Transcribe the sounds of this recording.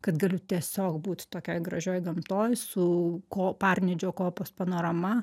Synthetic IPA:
kɐt̪ɡɐlʲʊt̪ʲiɛsʲoːkbuːt̪ʲt̪oːkʲojɡɾɐʒʲoːjɡɐmt̪oːjsʊkoːpɑrʲnʲɛd͡ʒʲoːkoːpoːspɐnoːɾɐmɐ

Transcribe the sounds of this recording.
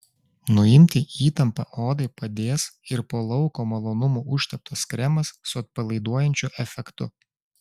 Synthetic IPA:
nʊɪmʲt̪ʲiiːt̪ɐmpɐʔoːd̪ɐɪpɐd̪ʲeːsɪɾpoːlˠɒʊkoːmɐlˠoːnʊmuʔʊʃʲt̪ʲɛp̚t̪oːskɾʲɛmɐsːʊɐt̪̚pɐlˠɐɪd̪uɔjɛnʲt͡ʃʲʊʔɛfʲɛkt̪ʊ̰

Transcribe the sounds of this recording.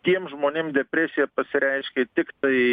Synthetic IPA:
t̪ʲiɛmʒmoːnʲeːmd̪ʲɛpʲɾʲɛsʲɪjɛpɐsʲɪɾʲɛɪʃʲkʲɛt̪ʲɪkt̪ɐɪ

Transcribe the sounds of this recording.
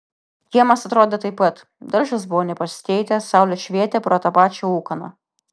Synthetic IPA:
jʲiɛmɐsɐt̪ɾoːd̪ʲet̪ɐɪpːɐt̪ | d̪ɐɾʒɐsbʊʋɔːnʲɛpɐsʲɪ̥t̪ʲɛɪt̪ʲɛsɑˑʊlʲoːʃʲʋʲiɛt̪ʲɛpɾoːt̪ɐpɑːt͡ʃʲouːkɐnɐ̰

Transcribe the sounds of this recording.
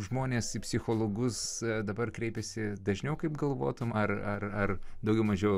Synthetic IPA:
ʒmoːnʲeːsɪpʲsʲɪxoːlˠoːɡʊsd̪ɐbɐrkɾʲɛɪpʲɛsʲɪd̪ɐʒʲnʲɛʊkɐɪpɡɐlˠʋo̰ːt̪ʊmɐrɐrɐrd̪ɐʊɡʲɛʊmɐʒʲɛʊ

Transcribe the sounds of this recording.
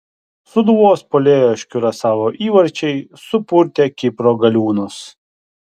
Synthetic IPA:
sʊd̪ʋoːspoːlʲeːjoːʃʲkʲʊɾɐsɑːʋoːʔiːʋɐɾʲt͡ʃʲɛɪsʊpʊɾʲt̪ʲeːkʲɪpɾoːɡɐlʲuːnʊs

